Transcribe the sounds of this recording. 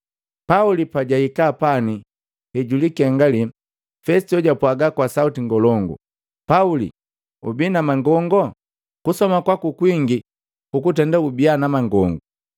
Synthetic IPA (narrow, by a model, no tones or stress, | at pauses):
paulipaɟaikapani | hɛɟulikɛŋɡali | fɛstiɔɟapwaɡakwasautiŋɡɔlɔŋɡṵ | paulḭ | ṵbinamaŋɡɔŋɡɔ | kusɔmakwakukwiŋɡi | kukut̬ɛndaubianamaŋɡɔŋɡu